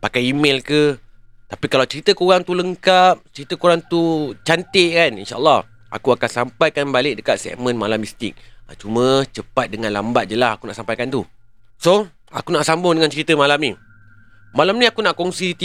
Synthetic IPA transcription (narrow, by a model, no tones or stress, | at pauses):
pakajimelkə | t̪apikalawt͡ʃəɾit̪əkoɾaŋt̪uləŋkap̚t͡ʃəɾit̪əkoɾaŋt̪ut͡ʃant̪eʔkanḭnʃaʔəlːɑh | a̰kuakansampajkanbalɪk̚dəkat̪̚sɛ̰ʔmə̃nmalamist̪ɪk̚at͡ʃumə̃t͡ʃəpat̪̚dəŋãnlambat̪̚d͡ʒəlahakunaʔsampajkant̪u | so | a̰kunaʔsambʊŋdəŋant͡ʃəɾit̪əmalamni | malamnĩakunaʔkɔŋsit̪i